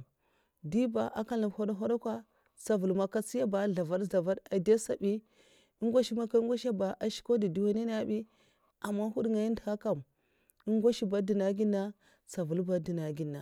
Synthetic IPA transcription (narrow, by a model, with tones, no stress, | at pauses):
di˦ba˨ʔa˨ka˦li˨bho˦da˦ɦo˦da˦kʷa˦ | t͡sa˨vu˨lma˨ka˦t͡si˦ja˦ba˨ɮa˨va˦dɮa˨va˦da˨de˦sa˨bi˦ | i˦ŋɡʷa˦ʃi˦ma˦ka˦ŋ˦ɡʷa˦ʃa˦ba˨ʔa˨ʃi̥˦ko˦di˨di˨wa˦ne˦na˦bi˦ | a˨mːa˦ɦu˦ɗŋa˨i˦dha˦ka˨m | i˦ŋɡʷa˦ʃi˦ba˨di˨na˨ɡi˦nːa˦ | t͡sa˨vu˨lba˦di˨na˨ɡi˨nːa˨